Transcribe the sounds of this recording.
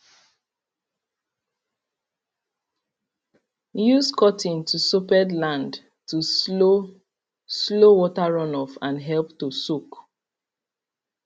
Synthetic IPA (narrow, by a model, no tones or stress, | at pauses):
juskʰɔtʰĩntʰusupɛdlãnd | tʰuo | slowɔtaɹɔ̃nɔfãnɦɛlptusuk